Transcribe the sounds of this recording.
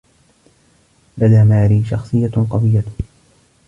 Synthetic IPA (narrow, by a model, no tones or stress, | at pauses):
lad̪aːmaːɾiːʃɑ̰xsˤɨjːaqɑwɪjːa